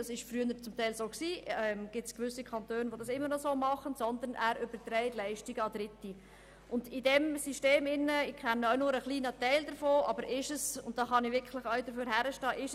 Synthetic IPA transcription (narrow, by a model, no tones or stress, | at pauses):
ɑsɪʃfryənəɾt͡sʊmtɛɪlsoːksiːɛmɡ̥ɪtskʋʏsikʰɑntøːnʋodɑsɪmːəɾnɔsoːmɑχənsɔnd̪ənæːɾʏb̥əɾt̪ɾɛɪtlɛɪʃtiɡəɑd̥ɾɪti | ʔʊndɪdɛmsiʃteːmɪnːəɪkʰχɛnːəœʊnʊːɾəχliːnətɛɪld̪əɾfoːʔɑ̰bəɾʔɪʃəsʊnt̚d̥ɑːχɑniʋɪɾkʰlɪχœɥdəɾføːɾɦæɾəʃtɑːʔɪʃ